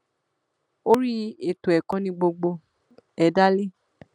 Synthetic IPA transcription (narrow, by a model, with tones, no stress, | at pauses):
o˦ɾi˦e˨to˨ɛ˨kã˨˦nĩ˧ɡ͡bo˧ɡ͡bo˧ | ɛ˧da˦le˦˨